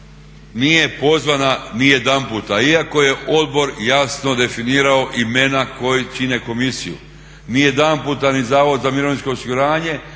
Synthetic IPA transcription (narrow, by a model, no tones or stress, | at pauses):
nije̞po̞zʋananijed̪ampuːt̪aiako̞je̞ʔo̞d̪̚bo̞ɾjasno̞d̪e̞finiːɾao̞ʔime̞nako̞jut͡ʃine̞ko̞misijṵ | nije̞d̪ampuːt̪anizaːʋo̞d̪zamiɾo̞ʋninsko̞ːsiɡuɾaːɲe̞